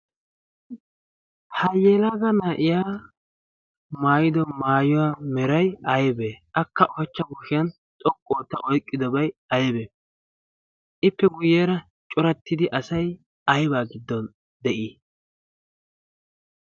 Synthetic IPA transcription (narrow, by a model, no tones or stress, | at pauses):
hɐjeːlaɡɐnaːʔɪjaː | maːjɪd̪ɔmaːjʊwaːmɛɾɐjɐjbeːʔɐkːɐʔɔɛt͡ʃːɐɡʊʃɪjɐn | t̪ʼɔkʼːoːt̪ːɐʔɔjkʼːɪd̪ɔbɐjɐjbe | ʔɪpːɛɡʊjeːɾɐ | t͡ʃʼʊɾɐt̪ːɪd̪ɪʔɐsɐj | ɐjbaːɡɪd̪ːɔn | d̪ɛʔiː